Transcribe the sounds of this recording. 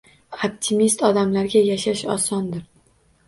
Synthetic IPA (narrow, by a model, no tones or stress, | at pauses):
op̚t̪ʰɪmist̪ɒd̪amlaɾɡʲajaʃaʃɒsɒnd̪ɪɾ